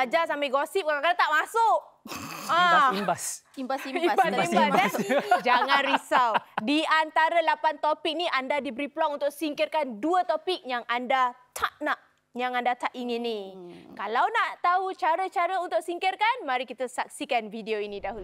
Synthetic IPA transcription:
ad͡ʒasampaɡosip̚kakakaɾat̪aʔmasʊʔ | ãibas | imbasiiasbasimbasd͡ʒaŋãnɾisawdiant̪aɾalapant̪opik̚niʔandadibəɾiplɔŋunt̪ʊʔ̚siŋkirkanduət̪opik̚jaŋandat̪ʰaʔnaʔ | jaŋandat̪aʔiŋɪnːikalawnaʔt̪aut͡ʃaɾət͡ʃaɾəunt̪ʊʔ̚siŋkirkanmaɾikit̪əsak̚sikanfidioinĩdaɦulu

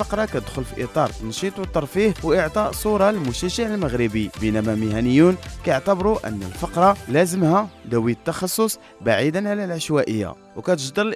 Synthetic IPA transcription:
fəqɾˤɑkæt̪əd̪xʊlfiʔit̪ˤɑɾˤt̪nʃit̪ˤwt̪ˤːɑɾˤfihwʔəʕt̪ˤɑʔsˤuɾˤɑlmʊʃæʒaʕəlməɣɾəbibənæmæməhænəjːunkæjəʕt̪əbɾuʔə̰nːə̰lfɑqɾˤɑlæzəmhæd̪æwiət̪ːɑxɑsˤːos | baʕid̪ənʕalælʕaʃwæʔəjːa̰ | wkæt̪əʒd̪əɾl

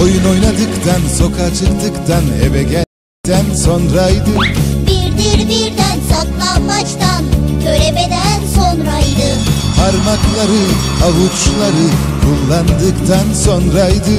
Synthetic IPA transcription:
ojuno̞jnad̪ɯkt̪ʰanso̞kʰat͡ʃʰɯkt̪ɯkt̪ʰaneveɡʲɛ | t̪ʰænso̞nɾajd̪ɯbiɾd̪iɾb̪iɾd̪ænsaklˠanmat͡ʃt̪ancʰøɾemed̪ænso̞nɾajd̪ɯ | pʰaɾmaklˠaɾɯ | avut͡ʃt͡ʃlˠaɾɯ | kʰulˠːand̪ɯkt̪ʰanso̞nɾaijd̪ɯ

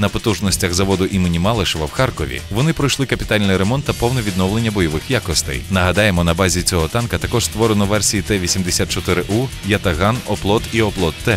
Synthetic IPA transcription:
nɐpɔt̪uʒnɔsʲtʲɐxzɐʋɔd̪ʊʔimenʲimɑlˠɪʃɔʋɐwxɑrkɔʋʲḭʋɔnɪpɾɔjʃlˠɪkɐpʲi̥t̪ɑlʲnɪjɾemɔnt̪ːɐpɔwnɛʋʲid̪nɔwle̞nʲːɐbɔjɔʋɪxjakɔst̪ɛ̰jnɐɦɐd̪ɑjemɔnɐbɑzʲit͡sʲɔɦɔt̪ɑnkɐt̪ɐkɔʒ̥st̪ʋɔɾenɔʋɛrsʲijit̪ɛʋʲisʲimd̪esʲat̪̚t͡ʃɔt̪ɪɾɪʔujɐt̪ɐɦɑnɔplˠɔt̪iɔplˠɔt̪ːɛ

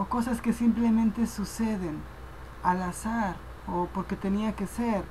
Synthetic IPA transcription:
oko̞saske̞simple̞mẽnt̪e̞suse̞ðe̞n | alasaɾ | opo̞ɾke̞t̪e̞niake̞seɾ

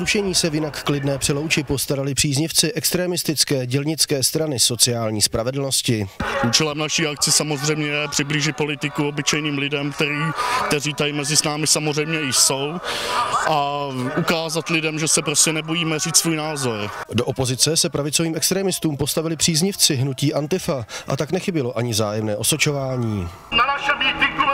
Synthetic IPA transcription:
zɾuʃɛɲiːsɛvjɪnakːlɪdnɛːpr̥ɛlowt͡ʃɪpo̞st̪aɾalɪpr̥iːzɲɪft͡sɪʔɛkst̪ɾɛːmɪst̪ɪt͡skɛːɟɛlɲɪt͡skɛːst̪ɾanɪso̞t͡sɪaːlɲiːspɾavɛdl̩no̞scɪʔuːt͡ʃɛlɛmnaʃiːakt͡sɪsamo̞zr̝ɛjmɲɛjɛpr̥ɪbliːʒɪt̚po̞lɪt̪ɪkuobɪt͡ʃɛjniːmlɪdɛmk̚t̪ɛɾiːk̚t̪ɛriːt̪ajimɛzɪsnaːmɪsamozr̝ɛjmɲɛɪʃso̞w | ʔaʔukaːzat̪lɪdɛmʒɛsɛpɾoscɛnɛbojiːmɛriːt͡ssvuːjnaːzo̞ɾdoʔopo̞zɪt͡sɛsɛpɾavɪt͡soviːmɛkst̪ɾɛːmɪst̪uːmpo̞st̪avɪlɪpr̥iːzɲɪft͡sɪɦnuciːʔant̪ɪfaʔa̰t̪aknɛxɪbɪlo̞ʔaɲɪzaːjɛmnɛːʔo̞sot͡ʃo̞vaːɲiː | naaʃt̪ɪ

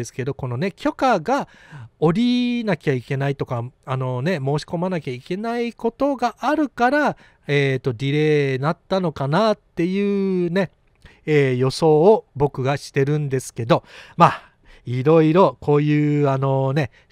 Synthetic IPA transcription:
esɨ̥ke̞d̪o̞ko̞no̞ne̞kʲo̞kaɡa | o̞ɾʲinakʲaike̞nait̪o̞kaano̞ne̞mo̞ːɕi̥ko̞manakʲaike̞naiko̞t̪o̞ɡaʔaɾɯ̟kaɾa | eːt̪ːo̞ɾʲiɾe̞ːnat̪ːano̞kanat̪ːe̞jɯ̟ːne̞ | eːjo̞so̞ːbo̞kɯ̟ɡaɕi̥t̪e̞ɾɯ̟̃nd̪e̞sɨ̥ke̞d̪o̞maː | iɾo̞iɾo̞ko̞ːjɯ̟ːano̞ne̞

